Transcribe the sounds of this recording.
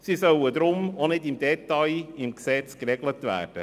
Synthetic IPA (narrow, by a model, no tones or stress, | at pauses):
sisœwəd̪ɾʊmonɪdɪmdɛtɑjɪmksɛt͡skrɛɡlətvæ̰ːrd̥ə̰